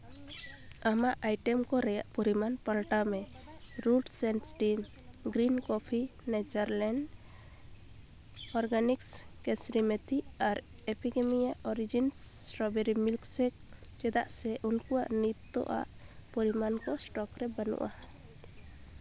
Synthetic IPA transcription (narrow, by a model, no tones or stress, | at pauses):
amaʔajʈɛmkɔɾɛjaʔpɔɾimanpalʈamɛ | ɾuɖsɛnsʈim | ɡɾinkɔpʰinɛt͡ʃaɾlɛɳɖ | ɔɾɡanikskɛsɾimɛt̪iaɾ | ɛpiɡɛmijaʔɔɾid͡ʒinɾɔbɛɾimilksɛk̚ | t͡ʃɛd̪aʔsɛʔunkuwa̰ʔnit̪ːɔ̰ʔa̰ʔ | pɔɾimankɔsʈɔkɾɛbənṵʔa